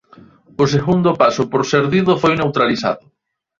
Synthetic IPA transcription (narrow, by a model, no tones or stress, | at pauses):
ʊseɣund̪ʊpasʊpoɾseɾðiðʊfojnewt̪ɾalisa̰ðʊ